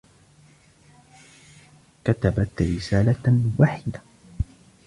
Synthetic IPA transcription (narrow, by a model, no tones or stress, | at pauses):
kat̪abat̪ɾɪsaːlawaːħɪd̪a